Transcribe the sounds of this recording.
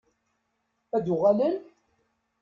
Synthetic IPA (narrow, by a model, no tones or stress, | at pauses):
æd̪ʊʁælən